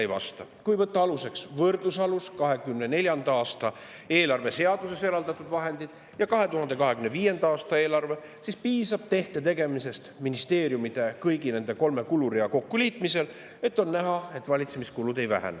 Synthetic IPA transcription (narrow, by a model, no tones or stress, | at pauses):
ejvɑ̰st̪ɑkujvɤt̪ːɑɑluse̞ksvɤrd̪lusɑluskɑɦe̞kymnene̞lʲjɑnd̪ɑɑːst̪ɑ | e̞ːlɑrve̞se̞ɑd̪̥use̞se̞ɾɑld̪ɑt̪ːˑud̪vɑɦe̞nd̪̥id̪̥ | jɑkɑɦe̞t̪uɦɑnd̪ekɑɦekymne̞viːje̞nd̪ɑɑːst̪ɑe̞ːlɑrve̞ | sispiːsɑb̥̚t̪e̞ht̪e̞t̪e̞ɡe̞mise̞st̪minist̪e̞ːɾjumit̪e̞kɤjɡine̞nd̪e̞ko̞lme̞kuluɾiɑko̞kːuliːt̪mise̞l | e̞t̪ːˑo̞nnæɦɑe̞t̪ːˑvɑlʲit̪se̞miskulud̪̥e̞jvæ̰ɦæ̰n